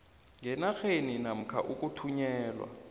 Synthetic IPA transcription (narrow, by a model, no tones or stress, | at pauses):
ŋɛnaxeninam̩kʰaʔuk̬ʼutʰuɲɛːlwa̰